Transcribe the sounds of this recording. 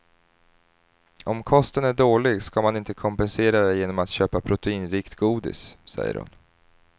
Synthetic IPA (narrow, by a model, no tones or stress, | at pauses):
ɔmkʰɔst̪ənæɖoːlɪɡskamanɪnt̪əkʰɔmpɛnseːɾad̪ɛjeːnɔmat̪ɕøːpapʰɾʊt̪ɛiːnɾiːkt̪ɡuːd̪ɪ̰ssɛ̰jːə̰ɾhʊ̰n